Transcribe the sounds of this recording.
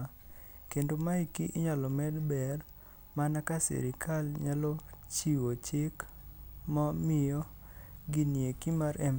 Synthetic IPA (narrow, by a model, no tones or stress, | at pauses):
kendomaikiʔɪɲalɔmɛdbɛr | manakasɛ̰ɾɪkʰalɲalot͡ʃiwot͡ʃɪk | mɔmɪjɔɡɪnjekimaɾɛ